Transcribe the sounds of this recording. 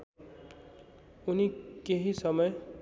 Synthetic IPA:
unikeɦisʌmʌj

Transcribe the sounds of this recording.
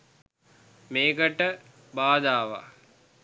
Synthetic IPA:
meːkəʈə | baːd̪aːʋa̰

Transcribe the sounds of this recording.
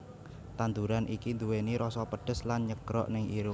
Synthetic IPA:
t̪and̪uɾanʔikind̪uweniɾɔsɔpəɖ̥ə̤slanɲəɡɾɔ̰ʔnɪŋʔiɾʊ

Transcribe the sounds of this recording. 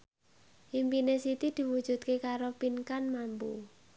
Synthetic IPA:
ʔimpinesit̪id̪̥i̤wud̥ʒ̥ṳt̪̚kekaɾopinkanmampṵ

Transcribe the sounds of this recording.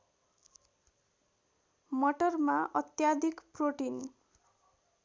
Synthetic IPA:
mʌʈʌrmaʔʌt̪jad̪ʱikproʈin

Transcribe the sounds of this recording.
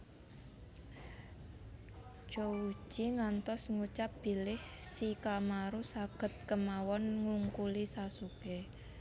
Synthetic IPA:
d͡ʒ̥ou̥ʒ̥iŋant̪ɔsŋut͡ʃap̚b̥i̤lɪh | sikamaɾusaɡ̥ə̤t̪̚kəmawɔnŋuŋkulisasuke

